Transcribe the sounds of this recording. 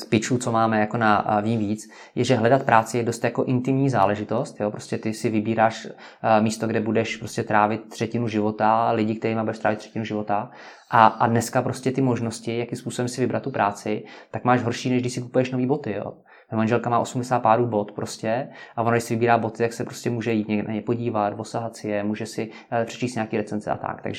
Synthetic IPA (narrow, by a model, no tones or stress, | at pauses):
spɪt͡ʃuːt͡so̞maːmɛjako̞naviːmviːt͡s | jɛʒɛɦlɛdat̪̚pɾʔaːt͡sɪjɛdost̪jako̞ʔɪnt̪ɪmɲiːzaːlɛʒɪt̪o̞st̪joːpɾo̞̥scɛt̪ɪsɪvɪbiːɾaːʃ | miːst̪oɡdɛbudɛʃpɾoscɛt̪ɾaːvɪt̪̚t̪ːr̥ɛcɪnuʒɪvo̞t̪alɪɟɪk̚t̪ɛɾiːmabudɛʃt̪ɾaːvɪt̪r̥ɛ̥cɪnuʒɪvo̞t̪a | ʔaadnɛskapɾoscɛt̪ɪmo̞ʒno̞scɪjakɪmspuːsobɛmsɪvɪbɾat̪ːupɾʔaːt͡sɪt̪akmaːʒɦoɾʃiːnɛʒɡdɪʃsɪku̥pujɛʃno̞viːbo̞t̪ɪjo̰ | vɛmanʒɛlkamaːʔo̞sumdɛsaːt̪paːɾuːbo̞t̪pɾo̞scɛʔavonaɡdɪʃsɪvɪbiːɾaːbo̞t̪ɪt̪aksɛpɾoscɛmuːʒɛjiːt̪ɲɛɡɛna̰ɲɛpo̞ɟiːvat̪vosaɦat̪sɪjɛmuːʒɛsɪ | pr̥ɛ̥t͡ʃiːst̪ɲaːkiːɾɛt͡sɛnzɛ̰ʔa̰t̪a̰kt̪a̰ɡʒɛ